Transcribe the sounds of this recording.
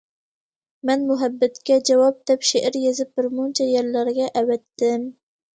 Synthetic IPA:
mɛnmʊɦabːæt̪kʲɛd͡ʒawɑp̚d̪ɛpʃeʔɪɾjezɪp̚bɪɾmʊnt͡ʃʰɛjeɾlæɾɡʲɛʔæwɛt̪ːɪm

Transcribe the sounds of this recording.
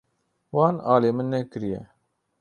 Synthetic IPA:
wɑːnaːleːmɨnːɛkɨɾijɛ̰

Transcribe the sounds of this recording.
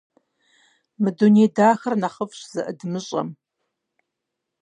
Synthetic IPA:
mɨdunedaːxɐrnaχəfɕz̥ɐʔɨdmɨɕʼɐ̰m

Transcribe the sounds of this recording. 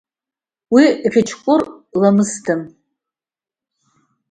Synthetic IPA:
wiħɪt͡ʃʰkʷʼʊrlamɨstʰɨm

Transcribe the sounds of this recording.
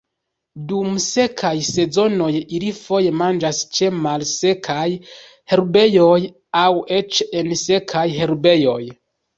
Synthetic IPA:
dumse̞kʰajse̞zo̞no̞jilifo̞je̞mand͡ʒast͡ʃe̞malse̞kʰaj | he̞ɾbe̞jo̞j | awe̞t͡ʃense̞kʰajɦe̞ɾbe̞jo̞j

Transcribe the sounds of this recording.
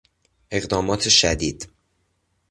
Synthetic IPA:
ʔe̞ɣd̪ɒːmɒːt̪ʰeʃæd̪iːd̪̥

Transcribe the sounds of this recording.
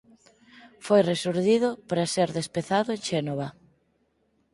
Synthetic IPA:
fojresuɾðiðʊpɾaseɾðespeθaðʊeʃenoβɐ

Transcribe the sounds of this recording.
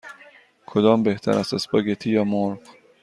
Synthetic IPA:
kʰod̪ɒːmbeht̪ʰæ̰ɾæsæsbɒɡet̪ʰijɒːmoɾf

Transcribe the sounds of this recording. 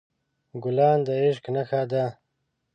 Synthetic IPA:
ɡulaːnd̪aiʂ̬knaxaːd̪a

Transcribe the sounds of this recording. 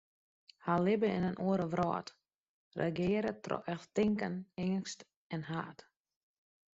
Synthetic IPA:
halɪbəɪ̰nənʔuəɾəʋrɔ̰ːt | rḛɡɪːəɾətʰrɔ̰ʔɛxtɪŋkənɪŋnst | ɛnɦaːt

